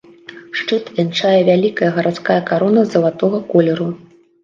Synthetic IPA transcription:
ʂt͡ʂɨt̪vʲɛnt͡ʂajɛvʲalʲikɐjɐɣɐɾʔat̪skajɐkaɾɔnɐzɐlˠat̪ɔɣɐkɔlʲɛɾu

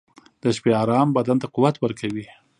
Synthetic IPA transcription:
d̪əʃpeɑɾɑmbad̪ant̪aquwat̪wəɾkʰawi

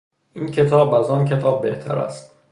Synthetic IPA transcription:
ʔiːncʰe̞t̪ʰɒːbæzɒːncʰe̞t̪ʰɒːbːe̞ht̪ʰæ̰ɾæ̰st̪

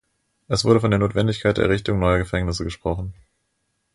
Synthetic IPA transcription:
ʔɛsv̥ʊɐɾəfɔndeːɐnoːtv̥ɛndɪçkʰaɪtd̥ḛɐʁɪçtʊŋnɔʏɐɡəfɛŋnɪsəɡəʃpʁ̥ɔχn̩

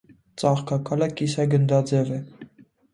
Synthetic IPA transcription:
t͡sɑχkʰɑkʰɑləkisɑɡənd̪ɑd͡zɛvɛ

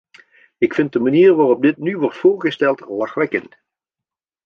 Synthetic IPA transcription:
ɪkfɪnt̚dəmaniːrʋaːrɔb̚dɪtnyʋɔɹtfʊːɹχəstɛlˠtlɑχʋɛkə̰nt

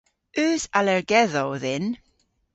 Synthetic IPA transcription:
ʉːzalɛɹɡɛðɔwðɪn

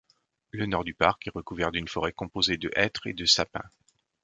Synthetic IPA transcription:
lənɔʁd̪ypaʁkɛʁəkuvɛʁd̪ynfɔʁɛkɔ̃pozed̪əʔɛt̪χḛd̪əsapɛ̰̃

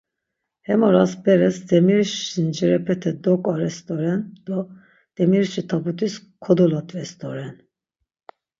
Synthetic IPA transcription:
hɛmɔɾasbɛɾɛsd̪ɛmiɾʃind͡ʒɛɾɛpʰɛt̪ʰɛd̪ɔkʼɔɾɛst̪ʼɔɾɛnd̪̥ɔ | d̪̥ɛmiɾʃit̪ʰabut̪ʰiskʰɔd̪ɔlat̪ʼvɛst̪ɔɾɛn

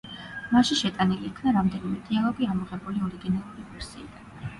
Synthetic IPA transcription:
maʃiʃɛt̪ʼaniliːkʰnaɾamd̪ɛnimɛd̪̥ialˠɔɡiamɔʁɛbuliɔɾiɡinalˠuɾivɛɾz̥iːd̪an

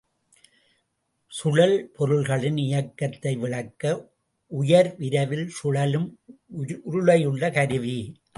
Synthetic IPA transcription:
sʊɻɐlpʰɔɾɯɭɣɐɭɪnɪjɐkːɐt̪ːɐɪʋɪɭɐkːɐ | ʔʊjɐɾʋɪɾɐʋɪlsʊɻɐlɯm | ʔʊɾʊɭɐjɯɭːɐkɐɾɯʋi

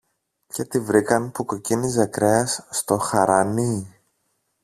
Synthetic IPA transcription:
ce̞t̪ivɾikɐnpukocinizɐkɾeɐsːt̪o̞xɐɾɐni

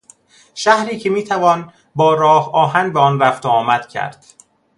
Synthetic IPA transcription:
ʃæhɾiːcʰemiːt̪ʰævɒːn | bɒːɾɒːhɒːɦænbeɒːnræft̪oɒːmæd̪̥cʰæ̰ɾd̪̥

